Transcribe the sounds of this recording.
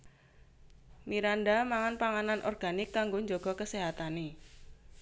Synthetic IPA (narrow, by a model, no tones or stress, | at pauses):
miɾandamaŋanpaŋananʔɔ̰rɡ̥anɪkːaŋɡoɲd͡ʒoɡ̥ɔ̤kəseɦat̪ane